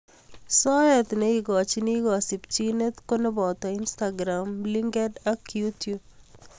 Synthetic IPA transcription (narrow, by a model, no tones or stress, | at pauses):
sɔjɛt̪neiɡɔt͡ʃiniɡɔsipt͡ʃinet̪konebɔt̪ɔinst̪aɡɾamliŋɡɛdakjut̪jub̚